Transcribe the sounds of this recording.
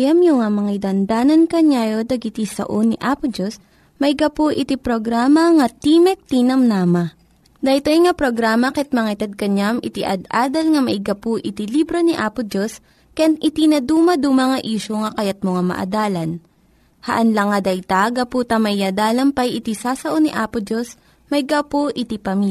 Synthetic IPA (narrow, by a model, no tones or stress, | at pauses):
jɐmjʊŋamɐŋɐd̪ɐnd̪aːnɐnkɐɲaːjod̪ɐɡɪt̪isɐ̰ʔoniʔaːpʊd͡ʒos | mɐiɡɐpoʔɪt̪ipɾoɡɾaːmɐŋɐt̪imɛk̚t̪inɐmnamɐ | d̪ɐjt̪ojŋapɾoɡɾaːmɐkɛt̪̚mɐŋɐt̪ɐd̪̚kɐɲamʔɪt̪iʔɐ̰d̪ʔaːd̪ɐlŋɐmɐʔɪɡɐpoʔɪt̪ilibɾoniʔaːpʊd͡ʒos | kɐjanɪt̪inɐd̪uːmɐd̪umɐŋɐʔiːʃoŋɐkɐjat̪̚moŋamɐ̰ʔɐ̰d̪aːlɐn | hɐ̰ʔɐnlɐŋːɐd̪ɐjt̪aɡɐput̪ɐmɐɪjad̪aːlɐmpɐjʔɪt̪isaːsɐʔoniʔaːpod͡ʒo̞s | mɐɪɡapoʔɪt̪ipɐmi